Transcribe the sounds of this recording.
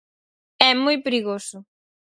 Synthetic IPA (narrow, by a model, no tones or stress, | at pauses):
ɛmojpɾiɣosʊ